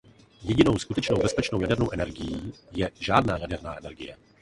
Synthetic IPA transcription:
jɛɟɪno̞wskut̪ɛt͡ʃnowbɛspɛt͡ʃnowjadɛɾnowʔɛnɛɾɡɪjiːjɛʒaːdnaːjadɛɾna̰ːʔɛnɛɾɡɪjɛ

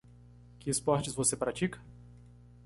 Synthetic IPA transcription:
kɪspɔɾt͡ʃɪzvosepɾat͡ʃikɐ̥

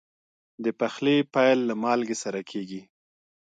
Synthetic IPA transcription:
d̪əpaxlepajlːamɑlɡesaɾakʰeɡi

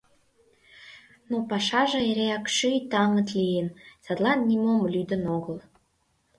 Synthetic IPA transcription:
nopɑʃɑʒə̆eɾeɑkʃɨjt̪ɑŋə̆t̪lʲijənsɑt̪lˠɑnːʲimomlʲyd̪ə̆noɡə̆lˠ

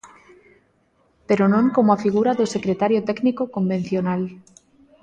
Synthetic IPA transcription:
peɾonõŋkomoafiɣuɾaðosekɾet̪aɾjot̪ɛknikokomben̟θjonal

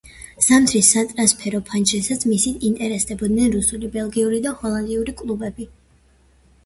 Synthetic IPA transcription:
samt̪ʰɾisːat̪ʼɾanspʰɛɾɔpʰant͡ʃɛsat̪smisit̪ʰint̪ʼɛɾɛsd̪ɛbɔd̪nɛnɾusulibɛlˠɡiuɾid̪ahɔlˠand̪iuɾikʼlˠubɛbi

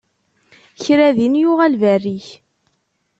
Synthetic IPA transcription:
çɾæðinjʊʁælværːiç

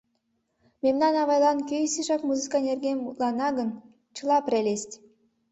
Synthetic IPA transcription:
memnɑnɑβɑjlˠɑnkʲøjsiʃɑkmuzɨkɑnerɡemut̪lˠɑnɑɣən | t͡ɕəlˠɑpɾʲelʲest̪ʲ

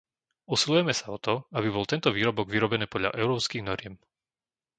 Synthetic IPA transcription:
usilujɛmɛsaɔt̪ɔabibɔlt̪ɛnt̪ɔʋiːɾɔbɔɡʋiɾɔbɛniːpɔd̪ʎa̰ʔɛʊɾɔːpskiɣnɔɾɪɛm

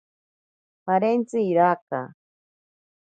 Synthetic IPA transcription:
paɾent͡sɨiɾaka̰

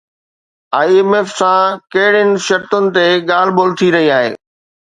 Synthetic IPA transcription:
aːiemeːfsãkɐɦɪɽ̤ɪnɪ̆ʃɐɾt̪ʊnɪ̆t̪eɠaːl̤boːlt̪ʰiɾɐɦiaːɦḛː

